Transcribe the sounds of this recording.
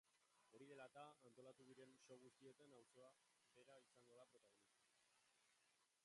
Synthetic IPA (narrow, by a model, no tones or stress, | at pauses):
o̞ɾiðe̞lat̪aːnt̪o̞lat̪uðiɾe̞nso̞ɣust̪ie̞t̪anawso̞a | be̞ɾaisaŋɡo̞ðapɾo̞t̪aɣonik